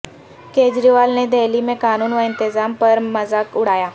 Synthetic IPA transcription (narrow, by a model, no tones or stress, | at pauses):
ked͡ʑɾiʋalned̪eliːmẽkañuːnʋəint̪əd͡zampəɾməd͡zakuɽ̤aja